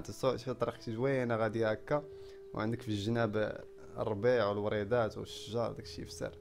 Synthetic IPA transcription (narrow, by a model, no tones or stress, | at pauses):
t̪sfit̪ˤɑɾˤiqt̪ʒwæjænaɣæd̪iækːa | wʕənd̪əkfilʒənæb | ə̰rˤːbiʕwəlwɾid̪æt̪wəʃəʒɑɾˤd̪ækʃḭfsə̰ɾˤ